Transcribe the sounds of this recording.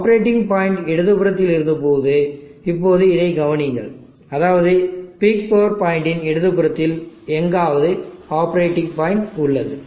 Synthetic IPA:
aːpɾeːʈːɪŋɡpaːjɪɳɖɛɽɯðɯpɯɾɐt̪ːɪlɪɾɯnd̪ɯpoːðɯ | ɪpːoːðɯɪðɐɪɡɐʋɐnɪŋɡɐ̰ɭ | ɐðaːʋɐðɯpɪk̚pɐːʋɐɾpaːjɪɳɖɪnɛɽɯðɯpɯɾɐt̪ːɪlɛŋɡaːʋɐðɯaːpɐɾeːʈːɪŋpaːjɪɳʈʊɭːɐðɯ

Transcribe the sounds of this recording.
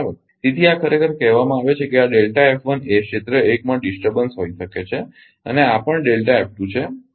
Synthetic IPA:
t̪it̪ʰiakʰəɾekʰəɾkɛɦʋamãaʋet͡ʃʰekeaɖelʈaepʰʋəneʃet̪ɾəekmãɖisʈəɾbənsɦoiʃəket͡ʃʰe | əneapəɳɖelʈaɛp̚ʈũt͡ʃʰe

